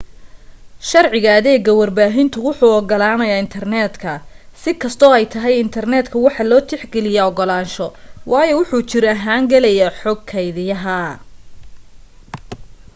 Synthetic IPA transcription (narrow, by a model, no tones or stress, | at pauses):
ʃɐrʕɪɣaːðɛːɡɐwɐrbaːɦɪnt̪ʰʊwʊħuːɔɡɔlaːnɐjaːɪnt̪ʰɐrnɛːd̪kʰɐ | sɪkʰɐst̪ʰɔːɛjt̪ʰɐɦɛjɪnt̪ʰɐrnɛːd̪kʰɐwɑħɑlɔːt̪ʰɪħɡɛlɪjaɔɡɔlaːnʃɔwɑːjɔwʊħuːt͡ʃɪɾɔɐɦaːŋɡɐlɛjaħɔɡkʰɛjðɪjɐɦɐ